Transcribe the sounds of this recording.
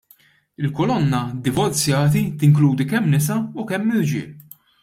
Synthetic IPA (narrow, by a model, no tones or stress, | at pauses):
ɪlkɔlɔnːɐd̪ɪvɔɾt͡sjɐːt̪̬it̪ɪŋkluːd̪ikɛmːnɪsɐukɛmːɪɾd͡ʒɪ̰ːl